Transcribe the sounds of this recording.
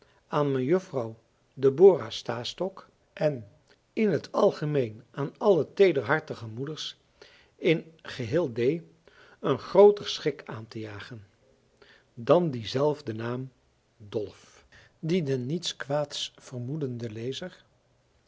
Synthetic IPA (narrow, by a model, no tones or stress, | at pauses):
aːnmɛnjɵfrɑw | dəboːrastaːstɔk | ʔɛn | ɪnɦətʰɑlˠχəmejnaːnɑlətejdəɹɦɑɹtəχəmudəɹs | ɪnχəɦɪːlˠdej | ənχrowtəɹsχɪkʰaːntəjaːχən | dɑndizɛlˠvdənaːm | dɔlˠf | didənːitskʋaːtsfərmudəndəlejzəɹ